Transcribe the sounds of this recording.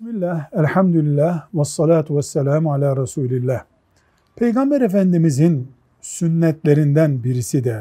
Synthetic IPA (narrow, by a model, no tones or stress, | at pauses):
smilːæhælħamd̪ulilːæhwɑsˤːɑlaːt̪ʰuwasːælaːmʕalaːɾɑsuːlilːæːh | pʰe̞jɡɑmbæɾefænd̪imizin | synːɛt̪leɾind̪ænbiɾisid̪ɛ